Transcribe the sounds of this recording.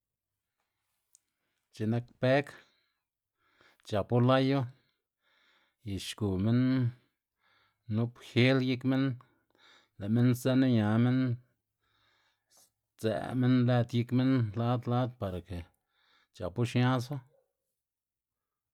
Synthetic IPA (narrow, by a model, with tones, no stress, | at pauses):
t͡ʃe˨na˦kpe˦k | t͡ʃa˨pu˦la˦ju˦ | ji˨ʃku˨me˦n | u˦pxe˦lji˦kme˦n | læ˨me˦nze˦na˦ɲa˨me˦n | t͡sḛ˨me˦nle˧d̪ji˧kme˦nla˦d̪la˦d̪̚pa˨ɾa˨ke˨ | t͡ʃa˨pu˦ʃɲa˦s̬a˦